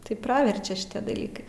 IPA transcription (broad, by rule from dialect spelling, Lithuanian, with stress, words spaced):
tɐɪ ˈprɑːʋʲɛrʲt͡ʃʲɛ ʃʲɪˈtʲiɛ dɐˈlʲiːkɐɪ